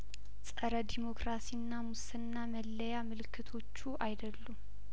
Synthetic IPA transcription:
sʼəɾəd̪imo̞kɾasiɨnːamusɨnːaməlːəjamɨlɨkʰːɨt̪ʰo̞t͡ʃːuʔajd̪əlːum

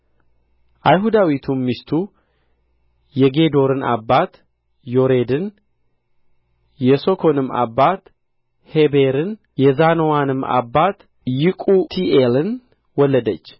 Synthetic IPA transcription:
ʔajɦud̪awit̪ʰunmist̪ʰu | jɛɡe̞d̪o̞ɾɨna̰bːat̪ | jo̞ɾe̞d̪ɨn | jɛso̞kʰo̞nɨma̰bːat̪ | hebeɾɨn | jɛzanowanɨmːa̰bːat̪ | jɪkʼut̪ʰiʔelɨn | wɔlːəd̪ət͡ʃː

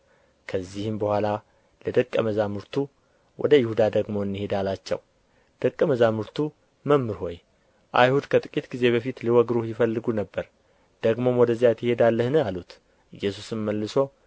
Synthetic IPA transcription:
kʰəzːihɨmbəhʷala | ləd̪əkʼːəməzamɨɾt̪ʰu | wɔ̰d̪əjɪhud̪ad̪əɡmo̞ɨnːihe̞d̪alat͡ʃːɛ̰w | d̪̥əkʼːəməzamɨɾt̪ʰu | məmːɨɾho̞j | ʔa̰jhud̪kʰət̪ʼɨkʼit̪ɡize̞βəfit̪liwɔɡɾujɪfəlːɨɡunəbːəɾ | d̪̥əɡmo̞mwɔd̪əzːijat̪ʰɪhe̞d̪alːəhnəalut̪ | ʔɨjːɛs̬usɨmməlːɨso̞

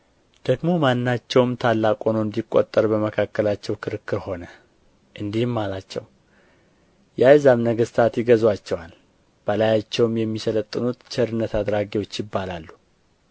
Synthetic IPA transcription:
d̪̥əɡmo̞manːat͡ʃːɛwmt̪ʰalːakʼo̞nond̪ikʼːo̞̰t̪ʼːəɾbəməkʰakːəlat͡ʃːɛwkʰɨɾɨkːɨɾho̞nə | ʔɨnd̪ihmːalat͡ʃːɛ̰w | jajzamnəɡəst̪ʰat̪jɪɡəzwat͡ʃːɛwal | b̥əlajat͡ʃːɛwmjɛmːisələt̪ʼːɨnut̪t͡ʃʰɛɾɨnːət̪ad̪ɾaɡiwo̞t͡ʃːjɪbːalalːu

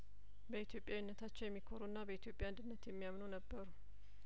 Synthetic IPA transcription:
bəit̪jo̞pʼjawɪnːət̪ʰat͡ʃːɛjɛmːikʰoɾunːabəit̪jo̞pʼjaand̪ɨnːət̪jɛmːijamnonəbːəɾu

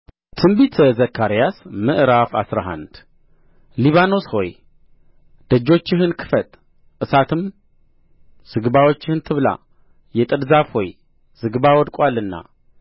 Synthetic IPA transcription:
t̪ʰɨmbit̪ʰzəkʰːaɾijasmɨʔɾafa̰sɾa̰ɦa̰nd̪ | liβano̞sho̞̰j | d̪̥əd͡ʒːo̞t͡ʃːɪɦɨnkʰɨ̥fət̪ʼ | ʔɨsat̪ʰɨm | z̥ɨɡβawot͡ʃːɪhɨnt̪ʰɨβla̰ | jɛt̪ʼɨdzafho̞j | z̥ɨɡβawɔd̪kʼwalɨnːa̰

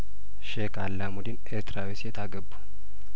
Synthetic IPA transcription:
ʃekʰʼalːamud̪inʔeɾt̪ʰɾawisjɛt̪ʰaɡəbːu̥

